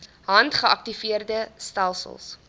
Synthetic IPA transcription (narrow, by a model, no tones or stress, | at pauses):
ɦɐntχəɐk̚tifiərdəstælˠsə̰lˠs